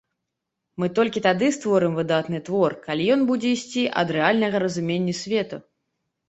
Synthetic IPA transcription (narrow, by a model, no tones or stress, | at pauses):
mɨt̪ɔlʲkʲit̪ad̪ɨst̪vɔɾɨmvɨd̪at̪nɨt̪vɔrkalʲijɔnbud͡zʲɛisʲt͡sʲiʔɐ̰d̪ɾɛalʲnɐɣɐɾɐzumʲenʲːɐsʲvʲɛt̪ɐ